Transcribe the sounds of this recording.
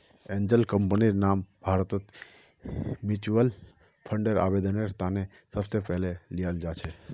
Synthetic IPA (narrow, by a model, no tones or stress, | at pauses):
ẽɲd͡ʒəlkəmpəniɾnambʱaɾt̪ot̪ | mit͡ʃuəl | pʰəɳɖəɾa̰ʋed̪əneɾt̪ane | səft̪epɛɦlelijald͡ʒat͡ʃʰe